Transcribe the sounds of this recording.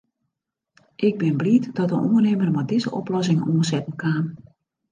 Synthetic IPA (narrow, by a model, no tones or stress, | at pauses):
ʔɪɡ̚bɪnblitd̥ɔtənṵrneːmərmɔdɪzəʔɔ̰plɔsɪŋnoːnsɛtən̩kaːn